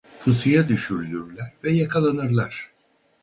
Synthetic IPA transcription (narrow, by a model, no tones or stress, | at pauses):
hɯsɯjad̪yʃyɾylʲyɾlʲæɾvɛjakʰalˠanɯɾlˠaɾ̥